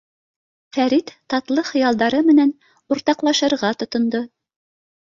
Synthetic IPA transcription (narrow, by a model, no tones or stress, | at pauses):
fæɾit̪ːɑt̪lˠɤχɤ̆jɑlˠd̪ɑɾɤmɘ̆næn | uɾt̪ɑqlˠɑʃɤ̆ɾʁɑt̪ŏt̪ŏnd̪o